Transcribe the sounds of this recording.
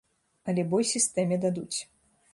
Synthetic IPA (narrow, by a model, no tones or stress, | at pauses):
ɐlʲɛbɔjsʲist̪ɛmʲɛd̪ad̪ut͡sʲ